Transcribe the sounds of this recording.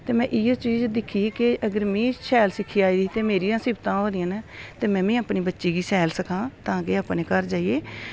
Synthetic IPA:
t̪eːmɛ̃ːʔɪːoːt͡ʃiːd͡ʒd̪ɪkʰːiːkɪəɡəɾmĩːsʰɛːlsɪkʰːiːaːiːd̪iːt̪eːmeːɾijãːsɪbt̪ãːɦoːd̪ɪjãːnːt̪eːmɛ̃ːmĩːəpniːbətːʃiːɡiːsɛːlsəkãːt̪ãːkeːəpneːkəɾd͡ʒaːieː

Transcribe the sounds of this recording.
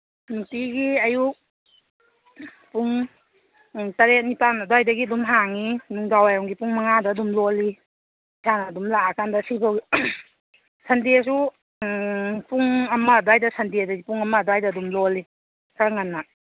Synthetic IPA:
nutiɡiɐju | puŋ | taɾet̚nipanadwajdɐɡidumɦaŋinuŋdawajɾɔŋɡipuŋmaŋadaːdumloli | isʰanɐdumlaakandasipʰawɡi | sɐndes̬u | puŋɐmɐdwajdɐsɐndedɐɡipuŋɐmɐdwajdaːdumloli | kʰaɾŋanːa

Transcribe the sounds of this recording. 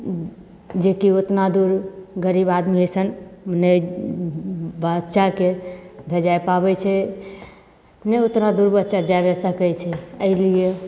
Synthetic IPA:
d͡ʒekiot̪nad̪uɾɡəɾibad̪miəsənne | bətːʃakebʱed͡ʒajpabɛt͡ʃʰɛ | neot̪nad̪uɾbət̪ːʃad͡ʒabɛsəkɛt͡ʃʰɛəɪlije

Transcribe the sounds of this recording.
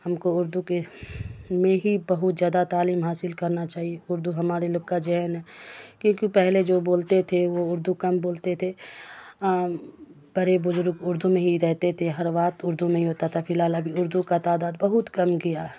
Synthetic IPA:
hɐmkoʊɾd̪uke | mẽɦibɐɦʊt̪zjaːd̪at̪aːliːmɦaːsɪlkɐɾnat͡ʃaːɦieʊɾd̪uɦɐmaːɾelɐɡ̚kad͡ʒɪɦɛnɦɛːkjõːkipɛɦled͡ʒoːboːlt̪et̪ʰeʋoʊɾd̪ukɐmboːlt̪et̪ʰe | b̥ɐɾebʊzʊɾɡʊɾd̪ʱumẽɦiɾɛɦt̪et̪ʰeɦɐɾʋaːt̪ʊɾd̪ʱumẽɦiɦoːt̪at̪ʰafɪlɦaːlɐbʱiʊɾd̪ukat̪aːd̪aːd̪̚bɐɦʊt̪kɐmkija

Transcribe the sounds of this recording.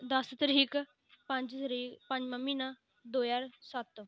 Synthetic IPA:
d̪əst̪əɾiːk | pə̃ɲd͡ʒ̪ɾiːpə̃ɲd͡ʒmãːmiːnã | d̪oːjaːɾsət̪

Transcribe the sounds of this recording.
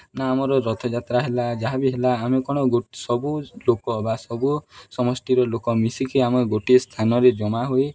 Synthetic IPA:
naːmɔɾɔɾɔt̪ʰɔd͡ʒat̪ɾaɦelad͡ʒaɦabiɦelaːmekɔɽ̃ɔɡosɔbulokɔbasɔbusɔmɔsʈiɾɔlokɔmisikiameɡoʈist̪ʰanɔɾed͡ʒɔmaɦoj

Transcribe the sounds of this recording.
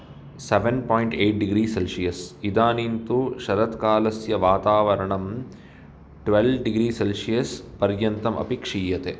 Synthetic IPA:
seʋenpoːjɳʈeːʈ̚ɖiɡɾiːselsijɐsid̪aːnint̪uʃɐɾɐt̪kaːlɐsjɐʋaːt̪aːʋɐɾɐɳɐm | ʈʋelʋɖiɡɾiːselʂijɐspɐɾjɐnt̪ɐmʔɐ̰pikʂiːjɐt̪e

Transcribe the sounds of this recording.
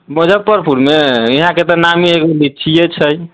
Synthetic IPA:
məd͡ʒʱəb̚pəɾpʰuɾmeiɦãket̪ɔnamiekolit͡ʃʰijet͡ʃʰəj

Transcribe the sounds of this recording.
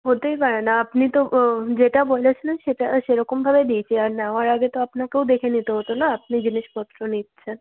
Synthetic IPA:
ɦot̪ejbaɭanaːpnit̪od͡ʒeʈabojlat͡ʃʰeneʃeʈaʃeɾɔkumbʱabed̪ijt͡ʃʰiaɾnaʋaɾaɡet̪oapnakeũd̪ekʰenit̪oɦɔt̪onaːpnid͡ʒiniʃpɔt̪ɾonit̪t͡ʃʰe

